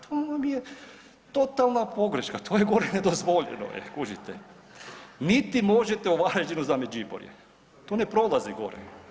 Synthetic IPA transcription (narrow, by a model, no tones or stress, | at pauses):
t̪ʰoːnamje | t̪o̞t̪alˠnapo̞ɡɾeʃkat̪ʰoːjeɡo̞ɾened̪ozʋo̞ʎḛno̰ʔḛkuʒit̪e | nit̪imo̞ʒet̪eoʋaɾed͡ʒinuzamed͡ʒibo̰ɾjḛ | t̪oːnepɾo̞lˠaziɡo̞̰ɾḛ